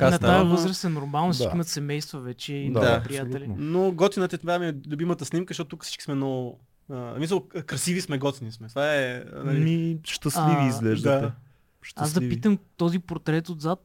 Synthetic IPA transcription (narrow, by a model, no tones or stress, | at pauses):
knɐt̪ajɐvɤzɾəst̪ɛnoɾmalˠnost͡ʃakiimɐt̪sɛmɛjst̪vɐvɛt͡ʃɛid̪apɾijat̪ɛlinoɡɔt̪inət̪ɛt̪vamiɛlʊbimət̪əsnimkəzʃtɔt̪t̪ukə̥si̥t͡ʃki̥smɛnɔɡʊ | əsmis̬əlˠkɾɐsivismɛɡɔt̪inismɛt̪vaɛnɐlimiʃt̪ɐsliviːzɡlɛʒd̪ətɛ | ʃt̪azd̪ɐipit̪əmt̪ɔzipoɾt̪ɾɛt̪od̪zat̪